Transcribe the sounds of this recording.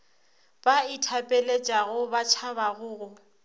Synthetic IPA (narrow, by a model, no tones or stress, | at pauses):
b̥aitʰapʼelet͡ʃʼaɣʊbat͡ʃʰabaɣʊːɣʊ